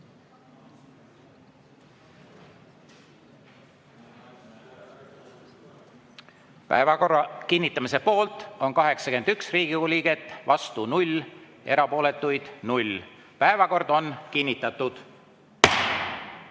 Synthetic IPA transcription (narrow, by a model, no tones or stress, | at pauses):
pæ̰evɑkorɑkinʲːit̪ːˑɑmise̞po̞ːlt̪o̞nkɑɦe̞ksɑkend̪yksriːɡ̥iulʲiɡ̥e̞t̪ːvɑst̪unulʲ | e̞̰ɾɑpo̞ːle̞t̪ːˑujd̪̥nulʲ | pæevɑko̞rd̪̥o̞nkinʲːit̪ːˑɑt̪ːˑud̪̥